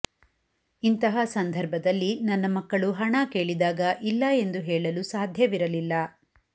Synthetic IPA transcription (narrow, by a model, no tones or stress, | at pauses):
int̪ɐɦɐsɐnd̪ʱɐɾbʱɐd̪ɐlːinɐnːɐmɐkːɐɭuɦɐɳɐke̞ːɭid̪aːɡɐʔilːɐe̞nd̪uɦɛːɭɐlusaːd̪ʱjɐʋiɾɐlilːɐ